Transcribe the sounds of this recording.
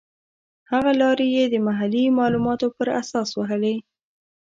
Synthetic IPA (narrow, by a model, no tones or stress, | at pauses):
haɣalɑɾejed̪əmaɦalimɑlumɑt̪opəɾa̰sɑswaɦəle